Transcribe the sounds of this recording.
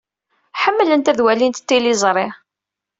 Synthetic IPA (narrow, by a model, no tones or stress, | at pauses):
ħəmːlənt̪æðwælint̪t̪ːilizˤɾˤɪ